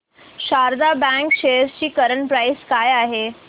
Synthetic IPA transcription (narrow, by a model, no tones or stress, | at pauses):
ɕaɾd̪abãŋkɕejəɾst͡ɕiːkəɾəɳpɾajskajaɦe